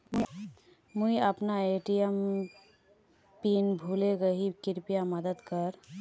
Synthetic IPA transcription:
muiəpnaeʈijəm | pinbʱuleɡəɦikɪɾpijaməd̪əd̪kəɾ

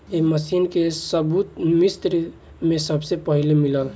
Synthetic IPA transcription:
eməsinkesəbut̪mist̪ɾi | mẽsəbsepəɦilemiləl

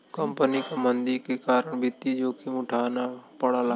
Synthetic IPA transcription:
kəmpənikamənd̪ikekaːɾəɳ̃bʱɪt̪id͡ʒoːkʰiʊ̃ʈʰaːnapəɽala

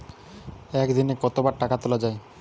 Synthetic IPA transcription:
ɛkd̪inekɔt̪obaɾʈakat̪olad͡ʑae

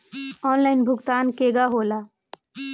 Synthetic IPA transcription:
ɔːnlaɪnbʱʊɡt̪aːnkeɡaɦola

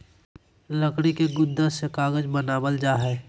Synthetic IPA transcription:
ləkɽ̃ikeɡʊnd̪əsekaːɡəd͡ʒbənaːbəld͡ʒaːɦɛː

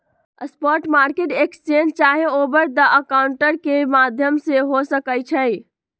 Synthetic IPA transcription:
əspɔɾʈmaɾkeʈekst͡ʃend͡ʒt͡ʃaɦeobəɾd̪əʔəkaʊɳʈəɾkemad̪ʱjəmseɦosəkəjt͡ʃʰəj

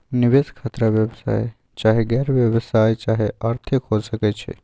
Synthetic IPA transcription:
niʋeskʰaːt̪ɾaʋjəbsa̰ːj | t͡ʃaːɦeɡɛɾʋjəbsaːjt͡ʃaːɦeʔaɾt̪ʰɪkɦosəkɛt͡ʃʰḛ

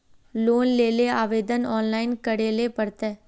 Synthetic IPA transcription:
loːnleːleaːʋeːd̪ənɔːnlaːɪnkɐɽeːlepɐɽt̪ɛː

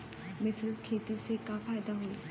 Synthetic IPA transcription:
mɪsɾəzkʰeːt̪isekaːfʰaːjd̪aɦoːiː

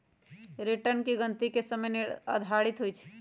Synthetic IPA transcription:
ɾiʈənkiɡənt̪ikesəməjneə̰d̪ʱaɽit̪ɦojt͡ʃʰɛ̥

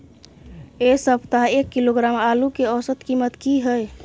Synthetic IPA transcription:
esəbʱt̪aɦekːiloɡɾamalukeɔsət̪kimət̪kiɦəj

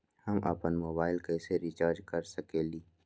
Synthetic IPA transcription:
hɐmʔɐ̰pənmoːbaːɪlkɛːseɾit͡ʃaːɾd͡ʒkɐɾsɐkeːliː

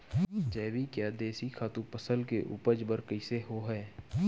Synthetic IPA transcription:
d͡ʒɛːʋikjaːd̪eːsikʰaːt̪ũpəsəlkeʔʊ̰pəd͡ʒbəɾkəɪseɦoɦɛː

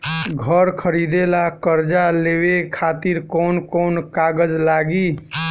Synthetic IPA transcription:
ɡʱəɾkʰəɾid̪elakəɾd͡ʒalewekʰat̪iɾkɔnkonkaɡəd͡ʒlaɡi

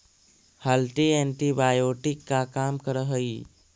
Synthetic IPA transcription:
həlʈiẽːɳʈibaːjoːʈɪkːakaːmkəɾəɦəi

